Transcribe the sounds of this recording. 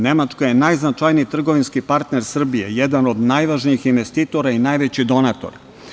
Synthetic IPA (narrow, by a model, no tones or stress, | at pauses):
ne̞mat͡ʂkojenajznat͡ʃaːjniːt̪r̩ɡo̞ʋinskipaɾt̪ne̞ɾsr̩bije̞jed̪ano̞d̪najʋaʒniixinʋest̪it̪o̞ɾainajʋet͡ɕid̪o̞nat̪o̞̰ɾ